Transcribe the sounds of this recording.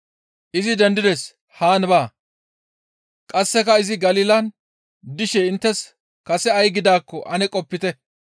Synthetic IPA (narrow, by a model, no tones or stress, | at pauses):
ʔɪzɪd̪ɛnd̪ɪd̪ɛs | haːnbaː | kʼɐsːɛkɐɪzɪɡɐliːlɐn | d̪ɪʃɛɪnt̪ːɛs | kɐsɛɐjɡɪd̪aːkːɔʔɐnɛkʼɔpːɪt̪ɛ